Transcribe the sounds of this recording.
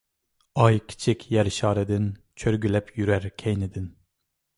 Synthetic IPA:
ɑjkʲʰi̥t͡ʃʰikʲʰjæɾʃɑːɾɛd̪ɪn | t͡ʃʰøɾɡʲylɛpʰjyɾæɾkʲʰejnɪd̪ɪn

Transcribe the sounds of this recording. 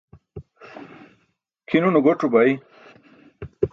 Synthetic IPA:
kʰinunuɡoʈubɐi

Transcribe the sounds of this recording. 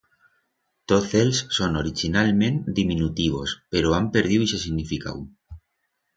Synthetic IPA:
t̪oθelsːonoɾit͡ʃinalmẽnd̪imĩnut̪iβ̞o̞̰speɾoampe̞ɾð̞iwise̞siɣnifika̰w

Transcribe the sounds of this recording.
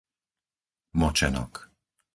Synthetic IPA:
mɔt͡ʃɛnɔ̰k

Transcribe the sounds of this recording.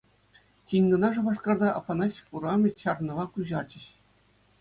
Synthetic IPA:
kʲinʲɡɤ̆nɑʐɤ̆ʋɑʂkɑrd̪ɑʔɑ̰fɑnɑɕʲfuɾɑmʲet͡ɕɑrnɤ̆ʋɑkuʑɑrd͡ʑɘ̆ɕ

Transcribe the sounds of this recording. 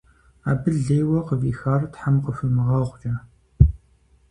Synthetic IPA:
aːbɨɮɮeːjwɐqəviːxaːrtħamqəfɨmɨʁɑʁʷd͡ʒɐ

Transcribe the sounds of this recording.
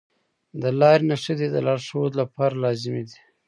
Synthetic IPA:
d̪əlɑɾnaʂəd̪id̪əlɑɾʂood̪lapɑɾalɑzɪmed̪i̥

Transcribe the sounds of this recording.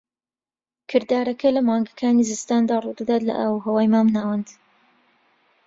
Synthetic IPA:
kʰɨɾd̪aːɾɐkʰɐlɐmɑːŋɡɐkʰaːnizɨst̪aːnd̪aːrud̪ɐd̪aːt̪lɐ̰ʔaːwuɦɐwaːjmaːmnaːwɐnd̪

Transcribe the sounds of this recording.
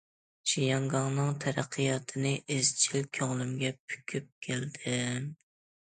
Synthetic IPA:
ʃijɑŋɡɑŋnɨŋt̪ʰɛɾæqʰːɨjɑt̪ʰɨnɨʔɪzt͡ʃʰilkʲʰøŋlˠymɡʲɛpʰy̥kʲʰyp̚kʲʰeld̪ɪ

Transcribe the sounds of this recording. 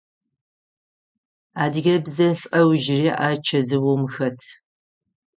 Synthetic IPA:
aːdɣʲɐbzɐɬʼɐwʒɪriːʔaːt͡ʃʰɐzɨwɔmxɐtʰ

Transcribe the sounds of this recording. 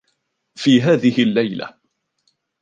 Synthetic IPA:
fiːɦaːðɪhɪlːajla̰

